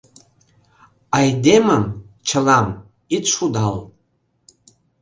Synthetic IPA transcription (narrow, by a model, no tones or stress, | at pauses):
ajdemamt͡ʃʰalam | it͡sʂud̪al